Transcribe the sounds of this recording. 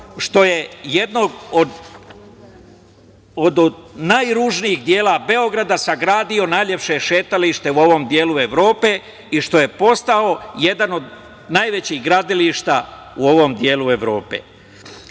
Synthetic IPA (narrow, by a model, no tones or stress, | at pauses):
ʃt̪o̞je̞je̞d̪noɡod̪ | od̪najɾuːʒnijixd̪je̞ːlabe̞o̞ɡɾad̪asaɡɾaːd̪io̞najʎe̞pʃe̞ʃe̞ːt̪aliʃt̪e̞uo̞ʋo̞md̪je̞ːlue̞ʋɾo̞ːpe̞ | iʃt̪o̞je̞po̞st̪ao̞je̞d̪ano̞d̪ | najʋe̞t͡ɕiːɣɡɾad̪iliʃt̪a | uo̞ʋo̞md̪je̞ːlue̞ʋɾo̞ːpḛː